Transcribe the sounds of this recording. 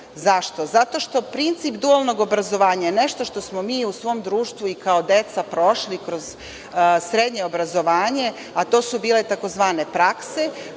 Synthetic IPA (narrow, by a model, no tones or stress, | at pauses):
zaʃt̪o̞zat̪o̞ʃt̪o̞pɾint̪siːpd̪ualˠno̞ɡo̞bɾazo̞ʋaːɲajene̞ʃt̪o̞ʃt̪o̞smomiːusʋo̞ːmd̪ɾuːʃt̪ʋuikao̞d̪e̞t̪sapɾo̞ʃlikɾo̞z | sɾe̞d̪ɲeobɾazo̞ʋaːɲe̞ | at̪oːsubiːlet̪ako̞zʋaːne̞pɾakse̞